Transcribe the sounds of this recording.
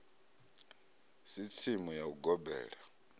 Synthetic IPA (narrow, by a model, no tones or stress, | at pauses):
sit͡sʰimujauɡɔbɛ̰ːɺa